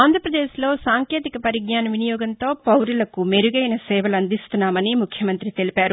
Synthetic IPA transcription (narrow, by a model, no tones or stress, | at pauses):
aːnd̪ʱɾɐpɾɐd̪eːslo̞ːsaːŋkeːt̪ikɐpɐɾiɡɲaːnɐʋinijɔːɡɐnt̪o̞ːpɐwɾilɐkumeɾuɡɐjnɐsɛːʋɐlɐnd̪ist̪unːaːmɐnimukʰjɐmɐnt̪ɾit̪e̞lipaːɾu